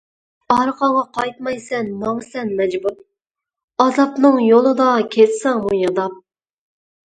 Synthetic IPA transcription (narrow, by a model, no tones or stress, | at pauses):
ɑɾqʰɑɴʁɑqʰɑjt̪mɑjsɛnːɑwsɛnmɛd͡ʒbuɾ | ɑzɑpnɨŋjolˠɨd̪ɑkʲʰet̪sɑŋmujɑd̪ɑp̚